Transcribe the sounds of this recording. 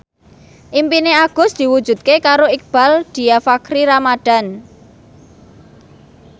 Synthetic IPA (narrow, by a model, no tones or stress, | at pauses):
ʔimpineaɡ̥ʊ̤sd̪̥i̤wud̥d͡ʒ̥ṳt̪̚kekaɾoik̚b̥a̤ld̪̥i̤jafakɾiɾamad̪̥a̤n